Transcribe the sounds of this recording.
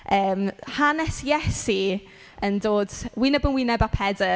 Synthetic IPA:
əːmhanɛsɛsi | əndoːd̥wɪnɛbənwɪnɛbapʰɛdə

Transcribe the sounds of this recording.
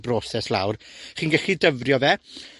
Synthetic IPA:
brɔːsɛslˠa̰wrχiːnɡɛɬidəvrjɔðɛ

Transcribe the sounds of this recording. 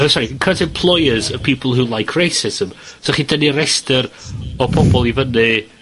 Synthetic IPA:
əsɔɾikʰədɛmpʰl̥ˠɔjəzəpʰiːpʰəlˠɦulˠajkʰrejsɪzəmsɔχidəniɾɛstəɾɔpʰɔbɔlˠivənɨ

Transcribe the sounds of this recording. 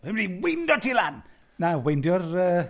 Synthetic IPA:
ɪmniwɪndɔtʰilan | nawejndjɔrəː

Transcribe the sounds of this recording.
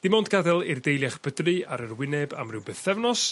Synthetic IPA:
d̥ɪmɔndɡadɛlˠɪrdejlˠjaχb̥ədrɨaɾərwɪnɛba̰mrɨwbɨθɛvnɔs

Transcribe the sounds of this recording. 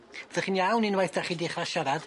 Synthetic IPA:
vðəχinjawninwajθd̥aχidiχraʃaɾad̥

